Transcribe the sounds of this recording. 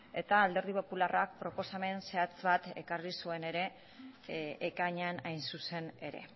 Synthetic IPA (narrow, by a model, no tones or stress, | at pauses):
e̞t̪aːld̪e̞ɾðipo̞pularak̚pɾo̞po̞same̞nse̞at͡sβat̪e̞̰karisue̞ne̞ɾe̞ | ʔːkaɲeanajnsuse̞ne̞ɾe̞̰